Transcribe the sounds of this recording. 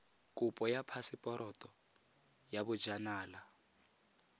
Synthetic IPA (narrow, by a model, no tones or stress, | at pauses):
kʼupʼɔjapʰasipʼɔɾɔtʼɔ | jaβu̥d͡ʒanaːla